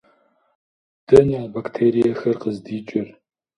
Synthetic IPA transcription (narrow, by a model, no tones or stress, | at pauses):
d̥ɐnjaːbaktʰeːɾijɐxɐrqəzdiːt͡ʃʼɪr